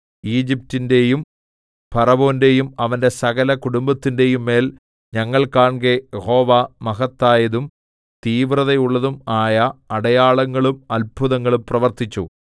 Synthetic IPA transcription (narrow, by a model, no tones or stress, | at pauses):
iːd͡ʑip̚tinde̞jum | pɐrɐbo̞ːnde̞jumɐʋɐnde̞sɐɣɐlɐkuɽumbɐt̪ːinde̞jumːe̞ːl | ɲɐŋːɐɭkaːɳɡejeho̞ːʋamɐɣɐt̪ːaːjɐðum | t̪iːʋrɐðejuɭːɐðumaːjɐːɽɐjaːɭɐŋːɐɭumɐlbʱuðɐŋːɐɭumprɐʋɐrt̪it͡ɕːṵ